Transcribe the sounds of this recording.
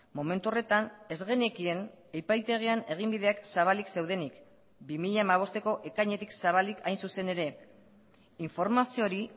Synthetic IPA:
mo̞me̞nt̪uo̞re̞t̪ane̞zɣe̞ne̞kie̞n | ejpajt̪e̞ɣ̞iane̞ɣ̞imbiðe̞aksaβ̞alikse̞wðe̞nik | bimiʎaemaβ̞o̞st̪eko̞ʔe̞kajɲe̞t̪iksaβ̞alikʰajnsuse̞ne̞ɾe̞ | iɱfo̞ɾmasio̞ɾi

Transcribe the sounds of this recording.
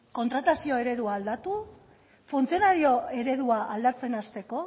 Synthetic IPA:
ko̞nt̪ɾat̪asio̞e̞ɾe̞ðuaːld̪at̪u | funt͡sio̞naɾio̞e̞ɾe̞ðuaʔald̪at͡se̞nast̪e̞ko̞

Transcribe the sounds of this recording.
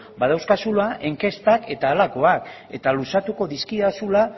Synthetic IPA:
baðawskasulaʔe̞ŋke̞st̪ake̞t̪aːlako̞ak | e̞t̪alusat̪uko̞ðiskiðasula

